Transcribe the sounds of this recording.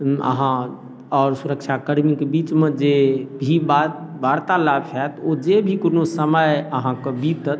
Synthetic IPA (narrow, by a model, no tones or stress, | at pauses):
ə̰ɦã | ɔːɾsuɾəkt͡ʃʰakəɽmikebit͡ʃmed͡ʒebʱibabaɽt̪alabt͡ʃʰɛt̪od͡ʒebʱikonosəməjəɦãkəbit̪ət̪